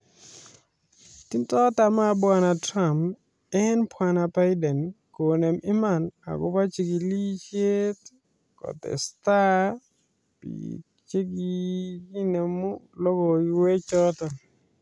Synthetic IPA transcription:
ti˦ntɔ˦ta˨ma˦bwa˨na˨tɾa˨mp | ɛ˦npwa˨na˨ba˦jdɛ˨nko˨ne˨mi˦ma˨na̰˨ɡʊ˦pa˦t͡ʃi˨ɡi˨li˦t͡ʃe˦t | kɔ̰˨t̪ɛ̰˨sta˦ | pḭ | t͡ʃe˦ɡiɡi˦ne˨mu˦lɔ˦ɡɔ˨i˨we˦t͡ʃɔ˦t̪ɔ˨

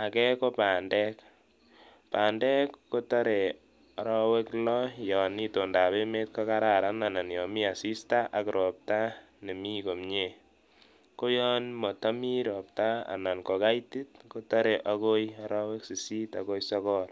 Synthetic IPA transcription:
a˨kɛ˦ko˦pa˨ndɛ˦k | pa˨ndɛ˦kko˦tɔ˦ɾe˨ | ɔ˨ɾɔwe˦klɔ˦jɔ˨ni˦to˨nda˨be˦me˦t̚kɔ˦ka˦ɾa˨ɾa˦na˨na˨njɔ˨mi˦a˨si˦sta˦ʔa˨kɾʔɔ˨p̚ta˦ | ne˨mi˦ko˨mɲe˨ | ko˦jɔ˦nmɔ˨tɔ˦mi˦ɾɔ˨p̚ta˦a̰˨na˨nkɔ˨ka˦jti˦tko˦tɔ˦ɾe˨ʔa˦ko˦ja˦ɾɔ˦we˦ksi˨si˦ta˨ko˦jsɔ˦kɔ˦l

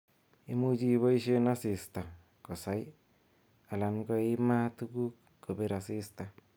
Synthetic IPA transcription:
i˦mu˦d͡ʒi˦βɔ˦i˦ʃe˦na˦sɪ˨sta˨ | ko˨sa˦j | a˨la˨nɡɔ˦ɪ˦ma˦tu˦ɡu˦k | ko˨be˦ɾa˨sɪ˦sta˨

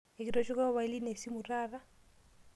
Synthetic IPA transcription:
e˨ki˨ɾɔ˦ʃɔ˦ka˦βa˨i˦li˦ne˨si˦mu˨ɾaːɾa˦

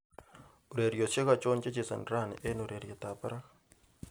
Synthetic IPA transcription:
u˨ɾe˨ɾjo˨se˦ɣa˦˨t͡ʃo˦nt͡ʃe˦t͡ʃi˨sa̰˨nɾa˦˨nḛ˨ʔe˦nu˨ɾe˨ɾje˨taː˨pa˦ɾa˦

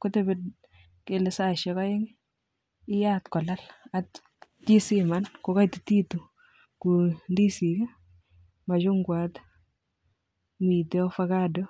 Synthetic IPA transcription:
kʊ˦tebe˦d | ke˨lɪ˨sa˨ʃɛ˦kɔ˦jɪ˦ŋ | ɪ˦jatkɔ˨la˦la˨t | t͡ʃi˦si˦manko˨ka˦jtɪti˦tu˨ | ku˨ndi˦si˨kɛ˦ | ma˨t͡ʃʊ˦ŋɡwat | mi˨tɛ˦fakadɔ˦

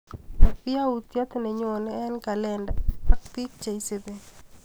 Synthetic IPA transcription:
ja˦u˨t̪ja˦t̪ne˨ɲ˦o˨nɛ˦nka˨lɛ˦nda˨a˨k̚pi˦k̚t͡ʃa˨i˦se˦be˨

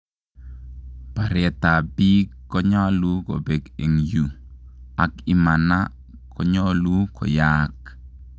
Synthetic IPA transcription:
pa˨ɾɛ˨t̪a˨bi˦kːɔ˦ɲa˦lu˦ko̰˨be˨ɡe˨ŋju˨ | a˨kɪ˨ma˨na˦ | kʰɔ˦ɲɔ˦lu˦kɔ̰˨ja˦k

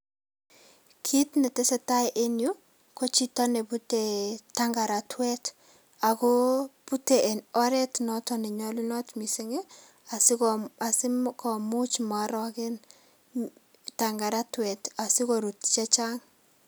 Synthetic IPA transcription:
kʰi˦tnɛ˨tɛ˦sɛ˦ta˦jʔe˦nju˦ | ko˦t͡ʃi˦tɔ˦ne˨bu˦tetaŋɡa˨ɾa˨tʰwɛ˦t | a˨ko˦pu˦te˨ʔɛ˨nɔ˦ɾɛ˦tnɔ˦tɔ˦nɛ˨ɲɔ˦lɪ˦nɔ˦tmi˨se˦ŋe˦ | a˨sa˨sɪ˦kɔ˨mu˦t͡ʃma˨ɾɔ˨kɪ˦n | ta˨ŋɡa˨ɾa˦twɛ˨ta˨sɪ˦koɾu˨tt͡ʃɛ˦t͡ʃa˦ŋ

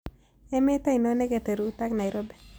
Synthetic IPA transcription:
ɛ˦me˦ta˦i˨no˦ne˦ɡe˨te˨ɾu˨˦ta˦kna˨i˨ɾɔ˦bɛ˦˨

